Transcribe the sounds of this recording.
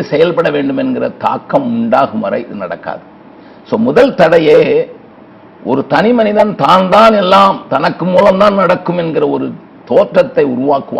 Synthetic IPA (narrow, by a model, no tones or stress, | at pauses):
ɯsɛjɐlpɐɽɐʋeːɳɖɯmɛnɡɪrɐt̪a̰ːkːɐmʊɳɖaːɣɯmʋɐɾɐ̰ɪɪðɯnɐɽɐkːa̰ːðɯ | soːmʊðɐlt̪ɐɽɐjeː | ʔɔɾɯt̪ɐnɪmɐnɪðɐnt̪aːnd̪aːnɛlːaːmt̪ɐnɐkːɯmuːlɐmt̪aːnnɐɽɐkːɯmɛnɡɪrɐɔɾɯ | t̪oːʈrɐt̪ːɐɪʊɾʊʋaːkːɯʋa̰